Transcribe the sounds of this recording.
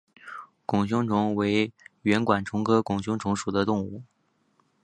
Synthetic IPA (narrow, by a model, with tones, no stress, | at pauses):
kʊ˨˩ŋɕjʊ˥ŋʈ͡ʂʰʊ˧˥ŋwe˧˥ɪɥɛ˧˥nkwa˨˩nʈ͡ʂʰʊ˧˥ŋkʰɤ˥kʊ˨˩ŋɕ̬ʊ˥ŋʈ͡ʂʰʊ˧˥ŋʂu˨˩d̪ə˦t̪ʊ˥˧ŋu˥˩